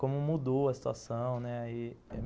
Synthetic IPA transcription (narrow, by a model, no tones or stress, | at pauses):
kõmʊmud̪owɐsi̥t̪ua̰sɐ̃w̃nɛaiɛ̰